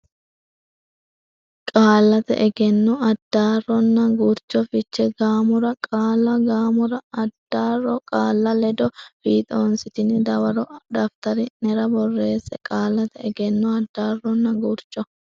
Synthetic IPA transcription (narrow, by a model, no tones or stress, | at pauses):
kʼaːlːɐt̪ɛ̰ʔɛɡɛnːɔɐd̪̥ːaːrːɔnːɐɡuɾt͡ʃɔfɪt͡ʃːɛɡaːmʊɾɐkʼaːlːɐɡaːmʊɾɐɐd̪̥ːaːrːɔkʼaːlːɐlɛd̪ɔfiːt̪ʼoːnsɪt̪ɪnɪd̪ɐwɐɾɔd̪ɐft̪ɐɾɪnɛɾɐbɔrːe̞ːsɛkʼaːlːɐt̪ɛɛɡɛnːɔɐd̪ːaːrːɔnːɐɡuɾt͡ʃʼːɔ